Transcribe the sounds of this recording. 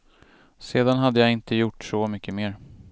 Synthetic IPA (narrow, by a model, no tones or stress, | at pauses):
seːd̪anɦad̪ːəjaɪnt̪əjʊʈːsɔmʏkːəmeːɾ